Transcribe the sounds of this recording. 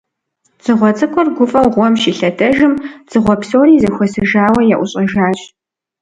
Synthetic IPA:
z̥ɨʁʷɔt͡sʼɐkʷʰɔrɡʷʊfʼɐwʁʷɔmʃiːɬɐdʰɐʒɨmz̥ɨʁʷɔpsoːɾiːzɐxʷɔsɨʒaːwɐjaʔʷʊɕʼɐʒaːt͡ʃʼ

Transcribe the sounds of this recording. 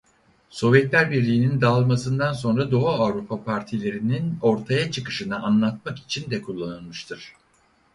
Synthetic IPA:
so̞vjɛt̪lʲæɾbiɾlʲiːnind̪alˠmasɯnd̪anso̞nɾad̪o̞ɦaːvɾupʰapʰaɾt̪ʰilʲe̞ɾinino̞ɾt̪ʰajat͡ʃʰɯkɯʃɯnɯʔanlˠat̪̚maki̥t͡ʃʰind̪ɛkʰulˠːanɯlˠmɯʃt̪ʰɯɾ̥

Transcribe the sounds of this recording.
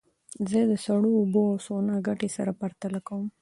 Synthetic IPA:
zəd̪əsaɽuːboawsonaɡaʈesaɾapaɾt̪alakawum

